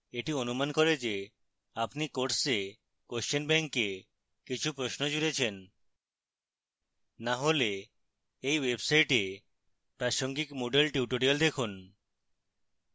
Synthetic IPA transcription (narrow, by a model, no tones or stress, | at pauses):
eʈionumankɔɾed͡ʑe | apnikoʈse | kost͡ʃenbɛŋkːe | kit͡ɕʰupɾosnod͡ʑuɾet͡ɕʰen | naɦole | ejwebsajʈe | pɾaʃoŋɡikmoɖelʈiuʈoɾiald̪ekʰun